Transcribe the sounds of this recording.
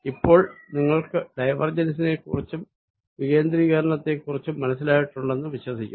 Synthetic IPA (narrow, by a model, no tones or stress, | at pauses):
ipːo̞ːɭniŋːɐɭkɨɖɐjʋɐrd͡ʑɐnsine̞kṵrit͡ɕːum | ʋiɣe̞ːnd̪ɾiːɣɐɾɐɳɐt̪ːe̞kːurit͡ɕːumːɐnɐsːilaːjiʈːuɳɖe̞nːɨʋiɕwɐsikʲːu